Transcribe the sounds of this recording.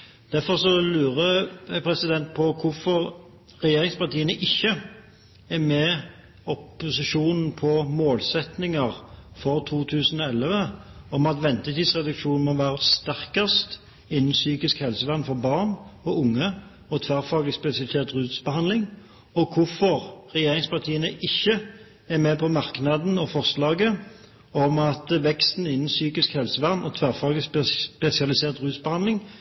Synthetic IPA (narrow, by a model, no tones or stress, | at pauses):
d̪̥æʁfɔʁsɔlʉːʁəpʰɾɛsɪd̪ɛnt̪̚pʰɔkʰʊfɔʁ | ʁɛjeːʁɪŋspɑʁt̪ʰiːənəʔɪçːə | ɛmɛ | ɔpːʊsɪʂuːnn̩pʰɔmoːlsɛt̪nɪŋəʁfɔʁt̪ʰuːt̪ʰʉːsn̩ɔɛlʋəɔmɑt̪ʋɛnt̪ət̪iːd̪sʁɛd̪ʉkʂuːnn̩mɔʋæːʁəst̪æʁkəst̪ | ɪnːn̩syːkɪskhɛlsəʋæʁnfɔʁbɑʁnɔʊŋːə | ɔt̪ʰʋæʁfɑːɡlɪspɛsɪɑlɪseːʁt̪ʁʉːt̪sbəhɑnd̪lɪŋ | ɔkʰʊfɔʁʁɛjeːʁɪŋspɑʁt̪ʰiːənəʔɪçːə | ɛmɛpʰɔmɑʁknɑd̪n̩ɔfɔʁslɑːɡə | ɔmɑt̪ʋɛkst̪n̩ɪnːn̩syːkɪskhɛlsəʋæʁnɔt̪ʰʋæʁfɑːɡlɪspɛsɪɑlɪseːʁt̪ʁʉːsbəhɑnd̪lɪŋ